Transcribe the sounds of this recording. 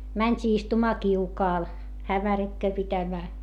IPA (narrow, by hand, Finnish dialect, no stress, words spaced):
mænʲtʲiː istumɑː kiukɑːl hæmærikːøː pitæmæː